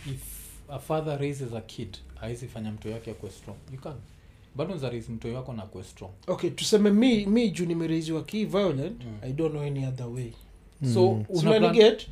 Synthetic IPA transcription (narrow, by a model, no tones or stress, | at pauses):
ifafaðaɾejzɛzakʰidaizifaɲam̩tɔjakɛakuɛstɾɔ̃ŋjukan | baɗɔnzaɾezim̩tɔjwakɔnakuɛstɾɔ̃ŋoketusɛmɛmimid͡ʒunimɛɾejziwakivajɔlɛ̃ntajdɔ̃nːoɛniaðəwej | soiɛnɡɛt